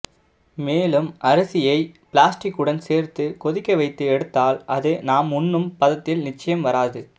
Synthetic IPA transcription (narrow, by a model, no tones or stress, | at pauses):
meːlɯmʔɐɾɐsɪjɐɪpɪlaːsʈɪkːɯɽɐnseːɾt̪ɯkɔðɪkːɐɪʋɐɪt̪ːɯɛɽɯt̪ːaːlɐðenaːmʊnːɯmpɐðɐt̪ːɪlnɪt͡ʃːɐjɐmʋɐɾaːðɯ